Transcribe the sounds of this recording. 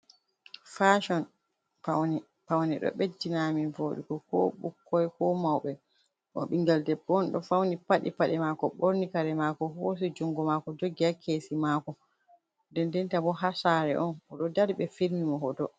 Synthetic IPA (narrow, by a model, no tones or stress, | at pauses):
faʃɔn | pawnɛ | pawnɛɗɔ̰ɓed͡ʒinaminvoɗḭkɔkɔ̰ɓṵkːɔjkɔmawɓɛ | ʔɔ̰ɓiŋɡaldɛbɔnɗɔ̰fawnipaɗḭpaɗɛmakɔɓoɾnikaɾɛmakɔɦos̬id͡ʒuŋɡɔmakɔd͡ʒoɡiakʰeːsimakɔ | dɛndɛntabɔɦasaɾɛ̰ʔɔnɔɗɔdaɾiɓɛfiɾmimɔɦɔdɔ